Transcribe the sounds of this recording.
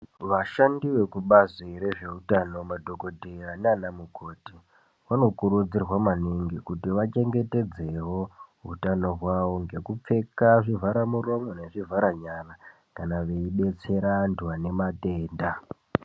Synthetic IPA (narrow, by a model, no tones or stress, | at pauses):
ʋaʃandiʋe̞kuɓaziɾe̞ʐe̞utano̞madʱo̞ko̞dʱerananamukʰo̞ːti | ʋano̞kuɾud͡zirwamaniŋɡikutiʋat͡ʃe̞ŋɡe̞te̞d͡ze̞ɦo̞ɦṵtano̞rwaʋo̞ŋɡe̞kup͡fe̞kaʐivʱaɾamuro̞mone̞ʐivʱaɾaɲara | kanaʋe̞iɓe̞t͡se̞ɾanduwane̞mate̞ːnda